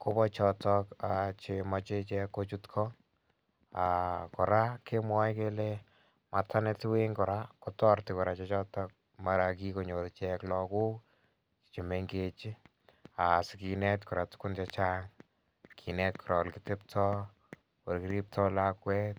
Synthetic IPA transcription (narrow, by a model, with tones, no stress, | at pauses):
ko˦bɔ˦t͡ʃɔtɔkat͡ʃemat͡ʃe˦t͡ʃɛkːo˦t͡ʃutkʰɔ | akɔ˨ɾa˦kʰe˦mwɔ˦jke˦le | ma˨tʰanɛ˦tɪ˦we˦ŋkɔ˨ɾakɔtɔ˦ɾtɪ˨kɔ˨ɾa˨t͡ʃɛt͡ʃɔ˦tɔk̚ | ma˨ɾaki˦ko˨ɲo˨tt͡ʃɛklɔku˦k | t͡ʃi̥t͡ʃɪ˨meŋɡet͡ʃi˦ | a˨sɪkinɛ˦tkɔ˨ɾatʊ̥kʊ˦nt͡ʃat͡ʃaŋ | kʰi˨nɛtkʰʊɾʔɔ̰˨lkɪte˦p̚tʰɔ˦ | o˨ɾkiɾi˦p̚tʰɔlakwɛ˦t